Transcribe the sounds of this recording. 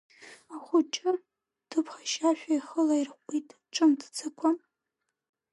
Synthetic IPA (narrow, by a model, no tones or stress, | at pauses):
aχʷʊt͡ʃʼɪ | d̥ʰɨpʰχaʃaʃᶣʷaiχəlairqʷʼitʼ | ʈ͡ʂʼɨmdʰt͡sʰɨkʷʰam